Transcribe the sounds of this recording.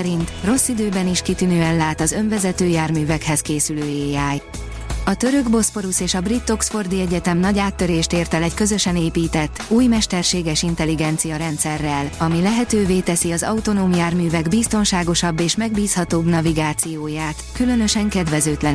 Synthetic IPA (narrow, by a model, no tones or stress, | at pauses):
ɾint̪ro̞sːid̪øːbɛniʃkit̪ynøːɛnlaːt̪ɒzø̞ɱvɛzɛt̪øːjaːrmyːvɛkhɛskeːsyløːeːaːj | ɒt̪ø̞ɾø̞ɡbo̞spo̞ɾuseːʃɒbrit̪ːo̞ksfo̞rd̪iɛɟɛt̪ɛmnɒɟaːt̪ːø̞ɾeːʃt̪eːrt̪ɛlɛckø̞zø̞ʃɛneːpiːt̪ɛt̪ːuːjmɛʃt̪ɛrʃeːɡɛʃint̪ɛliɡɛnt̪sijɒɾɛnt̪sɛrːɛlɒmilɛɦɛt̪øːveːt̪ɛsiɒzɒut̪o̞noːmjaːrmyːvɛɡbist̪o̞nʃaːɡo̞ʃɒbːeːʃmɛɡ̚biːshɒt̪oːbnɒviɡaːt̪sijoːjaːt̪kylø̞nø̞ʃɛŋkɛd̪vɛzøːt̪lɛn